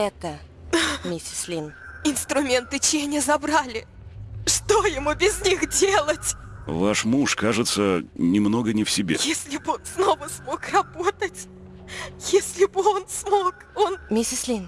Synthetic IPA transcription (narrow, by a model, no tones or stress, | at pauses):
ɛt̪ə | mʲɪsʲɪ̥slʲinɪnst̪ɾʊmʲe̞nt̪ɨt͡ɕɪjɛnʲɪzɐbɾalʲɪ | ʂt̪o̞jɪmubʲɪzʲnʲixdʲelˠətʲvaʂmuʂkaʐɨt̪sənʲɪmno̞ɡənʲɪfsʲɪbʲejesʲlʲɪbɨonsno̞vəsmo̞krɐbot̪ətʲ | jesʲlʲɪbɨo̞nsmok | onmʲɪsʲɪslʲin